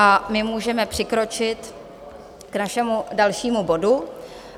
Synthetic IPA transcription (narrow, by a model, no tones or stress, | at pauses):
ʔamɪmuːʒɛmɛpr̝̥ɪkɾo̞t͡ʃɪt̪ | knaʃɛmudalʃiːmubo̞du